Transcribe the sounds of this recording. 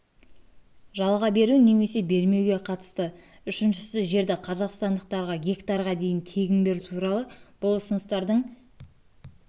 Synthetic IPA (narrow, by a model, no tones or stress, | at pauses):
ʒɑlˠʁɑbe̞ɾuneme̞se̞be̞ɾme̞wɡʲe̞qʰɑt̪ə̥st̪ə | ʏʃɪnʃɪsɪʒe̞ɾd̪ɪqʰɑzɑqst̪ɑnd̪əq̚t̪ɑɾʁɑɡʲe̞kt̪ɑɾʁɑd̪e̞jɪnt̪ʰe̞ɡʲɪnbe̞ɾut̪ʰuɾɑlˠəb̥ʊlˠʊsənəst̪ɑɾd̪əɴ